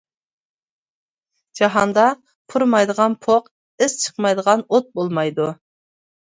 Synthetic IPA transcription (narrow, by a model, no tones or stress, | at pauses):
d͡ʒɑɦɑnd̪ɑ | pʰuɾmɑjd̪əʁɑnpʰoq | ɪz̥t͡ʃʰə̥qmɑjd̪əʁɑnot̪̚bolˠmɑjd̪u